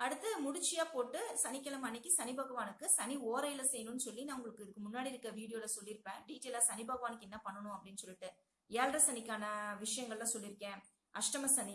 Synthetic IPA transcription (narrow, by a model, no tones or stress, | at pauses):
ɐɽɯt̪ːɯmʊɽʊt͡ʃːɪjaːpoːʈːɯsɐnɪkːɐlɐmɐnːɪkːɯsɐnɪbɐɣɐʋaːnɯkːɯsɐnioːɾɐjɪlɐsɛjɐnʊ̃nːɯsɔlːinaːʊŋɡɐɭɯkːɯɪðɯkːɯmʊnːaːɽiɪɾɯkːɾɐʋiːɽɪjoːlɐsɔlːɪɾɯpːẽːɖiːʈːeːlaːsɐnɪbɐːɣɐʋaːnɯkːɛnːɐpɐɳːɐɳʊ̃ɐpːɐɽɪnːɯsɔlːɪʈːɯ | eːlrɐsɐnɪkːaːnɐʋɪʂɐjɐŋɡɐɭlãːsɔlːɪɾɯkːẽː | ʔɐʂʈɐmɐsɐni